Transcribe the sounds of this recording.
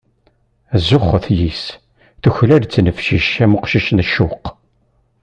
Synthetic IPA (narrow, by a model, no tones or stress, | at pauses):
æzʊχːəθjis | θʊçlæɾt͡sːnəfʃiʃæmʊqʃiʃnʃːʊq